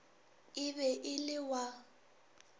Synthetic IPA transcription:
ɪβɛʔɪlɪwa

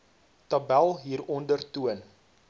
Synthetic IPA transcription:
tɐbælˠɦiːɾɔndərtuən

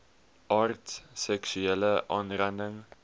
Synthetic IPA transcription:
ʔɑrtssɛksʉɛləʔɑnɾændəŋ

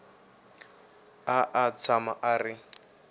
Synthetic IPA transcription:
aʔat͡sʰamaʔarɪ

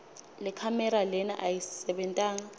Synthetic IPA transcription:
lɛkʰamɛɾalɛna̰ʔajisɛɓɛntʼaːŋa

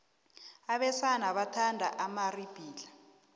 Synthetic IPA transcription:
aɓɛsanaɓatʰandʱaʔamarib̥ʱiːla

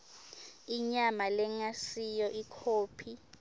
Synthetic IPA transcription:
iɲamalɛŋasijɔʔikʰoːpʰi

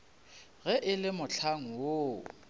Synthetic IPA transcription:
ɣɛʔɪlɪmʊt͡ɬʰaŋ̩wo

